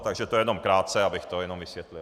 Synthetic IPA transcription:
t̪aɡʒɛt̪ojɛnomkɾaːt̪t͡sɛabɪxt̪ojɛnomvisʋjɛt̪lil

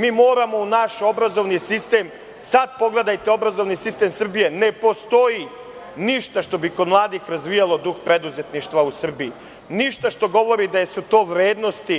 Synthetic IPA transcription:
miːmo̞ːɾamo̞unaʃo̞bɾazo̞ʋnisist̪e̞ːm | sad̪po̞ɡle̞d̪ajt̪eo̞bɾazo̞ʋnisist̪emsr̩bije̞ne̞po̞st̪o̞ji | niʃt̪aʃt̪o̞biko̞d̪mlˠaːd̪ixɾazʋijalˠo̞d̪uxpɾe̞d̪uze̞t̪niʃt̪ʋausr̩bii | niʃt̪aʃt̪o̞ɡo̞ʋo̞ɾid̪ajesut̪o̞ːʋɾe̞ːd̪no̞st̪i

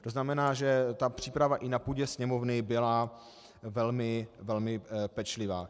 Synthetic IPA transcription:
t̪oznamɛnaːʒɛt̪apr̝̥iːpɾavaʔɪnapuːɟɛsɲɛmo̞vnɪbɪla | vɛlmɪvɛlmɪpɛt͡ʃlɪvaː

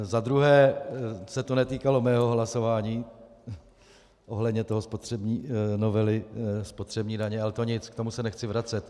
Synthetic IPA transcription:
zad̪ɾuɦɛːsɛt̪onɛt̪iːkalo̞mɛːɦo̞ɦlaso̞vaːɲiː | ʔo̞ɦlɛdɲɛt̪o̞ɦospot̪r̝̥ɛbɲiːno̞vɛlɪspot̪r̥ɛbɲiːdaɲɛalɛt̪o̞ɲɪt͡skt̪o̞musɛnɛxt͡sɪvɾat͡sɛt̪

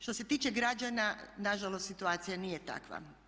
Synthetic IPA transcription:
ʃt̪o̞se̞t̪iːt͡ʃeɡɾad͡ʒananaʒalost̪sit̪uaːt̪sijanijet̪a̰kʋa̰

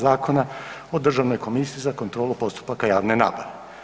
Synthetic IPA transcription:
zaːko̞nao̞d̪r̩ʒaʋno̞jko̞misiizako̞nt̪ɾo̞ːlupo̞st̪u̥pakajaːʋne̞na̰ːpoɾe

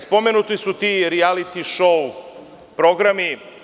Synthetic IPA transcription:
spo̞menut̪isut̪iɾialit̪iʃou | pɾo̞ɡɾami

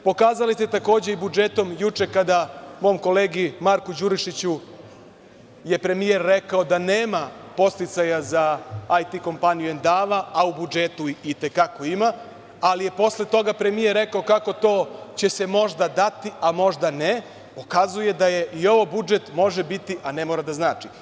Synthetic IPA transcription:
po̞kaːzalist̪et̪ako̞ːd͡ʑeibud͡ʒet̪o̞mjut͡ʂe̞kad̪amo̞mko̞leːɡimaɾkud͡ʑuɾiʃit͡ɕu | je̞pɾe̞mije̞ɾːekaod̪aneːmapo̞st̪it̪sajazaajt̪iko̞mpanijuend̪aːʋaːubud͡ʒet̪uit̪e̞kako̞ima | alije̞po̞sle̞t̪o̞ɡapɾe̞mijeɾɾːekaokako̞t̪o̞ːt͡ɕe̞se̞mo̞ʒd̪ad̪at̪iamo̞ʒd̪ane | po̞kazuje̞d̪aje̞ʔio̞ʋobud͡ʒe̞t̪mo̞ʒebit̪iʔanemoːɾad̪aznaːt͡ʂi

